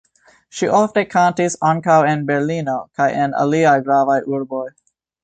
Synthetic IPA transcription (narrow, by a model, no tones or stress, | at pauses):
ʃiʔɔfdəkʰãʊ̃ntisɑ̃nkaʊɪ̃nbɛɹlĩnokʰaɪʔɛ̃nə̰liaɡɹavaɪʔuɹbɔɪ